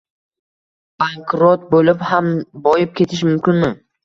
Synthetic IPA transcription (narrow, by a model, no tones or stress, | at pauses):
b̥aŋkɾot̪̚bolɪphambɒjɪp̚kʲʰe̞t̪ʰɪʃ̬mʊmkʲɪnmɪ